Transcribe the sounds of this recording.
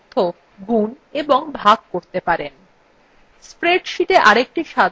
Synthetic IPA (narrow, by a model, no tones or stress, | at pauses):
t̪ʰːo | ɡun | eboŋbʱaɡ̚koɾt̪epaɾen | spɾeɖʃiʈeʔaɾek̚ʈiʃa